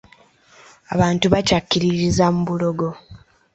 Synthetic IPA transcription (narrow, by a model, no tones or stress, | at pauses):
a̰βaːntuβacakːiɾiɾizamuβulo̞ɡo̞